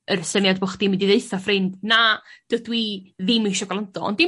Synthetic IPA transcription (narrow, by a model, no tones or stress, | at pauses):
əɾəsənjadbʊχd̥imindiðeɨθafrɪndnad̥ədwiðɪmɪʃɔɡalˠandɔɔ̰ndɪ